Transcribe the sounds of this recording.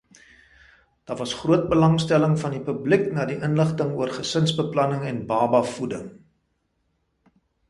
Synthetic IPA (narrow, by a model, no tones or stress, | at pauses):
d̥ɑːvɐsχruət̚bəlɐŋstæləŋfɐndipybliknɑːdiʔənləχtəŋuərχəsənsbəplɐnəŋɛnbɑːbɐfudəŋ